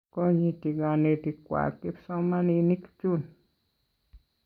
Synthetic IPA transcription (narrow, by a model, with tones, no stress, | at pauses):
ko˧ɲi˧t̪i˧ɡa˧ne˧t̪i˧kʷa̰˨ki˦bso˧ma˦ni˧ni˦kt͡ʃu˦n